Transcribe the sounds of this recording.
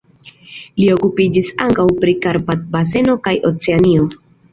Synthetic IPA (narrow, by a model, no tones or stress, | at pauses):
lio̞kupid͡ʒisaŋkawpɾikaɾpat̪̚base̞no̞kajʔo̞̰t͡seanio̞